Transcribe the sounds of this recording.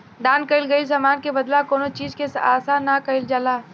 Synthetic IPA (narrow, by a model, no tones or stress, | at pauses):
ɖaːnkɐɪlɡɐis̬aːmaːnkebɐd̪lakoːnot͡ʃiːzkesaːsanakɐɪld͡ʒalaː